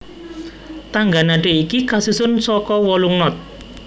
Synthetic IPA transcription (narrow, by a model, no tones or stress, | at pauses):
t̪aŋɡanaɖe̤ikikasusʊnsɔkɔwɔluŋnɔt̪̚